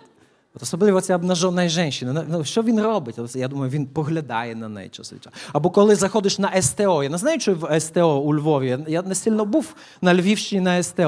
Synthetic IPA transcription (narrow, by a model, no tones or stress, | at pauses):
ɔt̪ɔsɔblˠɪʋɔt͡sʲjabnɐʒɔnɐjʒɛnʲʃinɛnɛnuʃt͡ʃɔʋʲinrɔbɪtʲɔsʲjad̪umɐjʊʋʲinpɔɦlʲɐd̪ɑ̰jɛnɐnɛ̰jt͡ʃɔ̰sḭt͡ʃaɐbɔkɔlˠɪzɐxɔd̪ɪʃnɐʔɛst̪ɛɔjanɛznajʊt͡ʃɛʋɛst̪ɛɔulʲʋɔʋʲijajanɛsɪlʲnɔbuw | nɐlʲʋʲiwʃt͡ʃɪnʲinɐɛst̪ɛ